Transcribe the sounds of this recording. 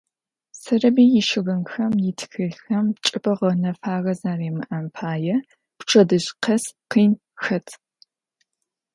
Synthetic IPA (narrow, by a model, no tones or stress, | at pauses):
sɐrɐbiːjɪʃɪɣɐnxɐmjɪtʰxɨxɐmt͡ʃʼɨpɐʁɐnɐfaːɣɐzaːreːmɨ̰ʔɐmpʰaːjɛ | pʈ͡ʂʰɐdɨɕqʰɐsqiːn | xɐtʰ